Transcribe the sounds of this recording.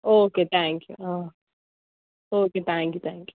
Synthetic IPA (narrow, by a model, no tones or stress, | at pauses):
oːket̪ʰæ̃ŋkjṵãː | oːket̪ʰæ̃ːŋkjut̪ʰæ̃ːŋkju̥